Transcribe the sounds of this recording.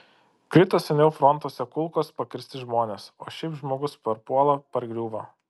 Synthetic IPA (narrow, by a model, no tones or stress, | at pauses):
kɾʲɪt̪oːsʲɛnʲɛʊfɾɔnt̪oːsʲɛkʊlˠkoːspɐkʲɪɾʲsʲt̪ʲɪʒmoːnʲeːso̰ːʃʲɛɪpʒmoːɡʊspʲɐɾpuɔlˠɐpɐɾɡɾʲuːʋɐ